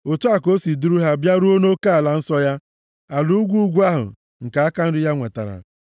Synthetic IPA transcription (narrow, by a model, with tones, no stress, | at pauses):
o˨tu˦a˨ko˦si˨du˦ɾu˦ɦa˦bja˦ɾu˦o˦no˦ka˦a˨la˦n̩˦sɔ˦ja˦ | a˨lu˦u˦ɡʷu˦ɡʷu˦a˦ɦʊ̰˨ | ŋ̩˨ka˨a˦ka˦n̩˦dʊ˦ja˦ŋʷe˨ta̰˨ɾa̰˨